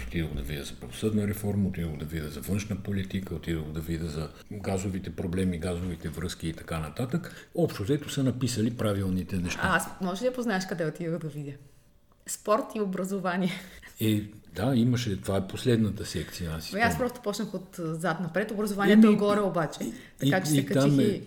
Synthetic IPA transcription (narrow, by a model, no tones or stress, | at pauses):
o̥t̪id̪əod̪ɐvid̪ʲəzɐpɾɐvosɤd̪nəɾɛfɔɾmɐot̪id̪əɡod̪ɐvid̪əzɐvɤnʃnəpolit̪ikəot̪id̪əɡod̪ɐvid̪ʲəzɐ | ɡazovit̪ɛpɾoblɛmiɡazovit̪ɛvɾɤsk̟iːt̪ɐ̥kanɐt̪at̪əkɔpʃt̪ozɛt̪osənɐpisəlipɾavilˠnit̪ɛnɛʃt̪aasmɔʒd̪iɐpoznaɛʃkɐd̪ɛot̪id̪əɣd̪ɐvid̪ʲjə | spɔɾt̪iobɾɐzovanʲiɛɛd̪aiməʃɛt̪ovaɛposlɛd̪nət̪əsɛkt̪sijɐasi̥iasspɾɔst̪o̥pɔt͡ʃnəxot̪zat̪nɐpɾɛt̪obɾɐzovaniɛt̪oɛɡɔɾɛobat͡ʃɛt̪ikat͡ʃɛ̥sikɐat͡ʃimɛ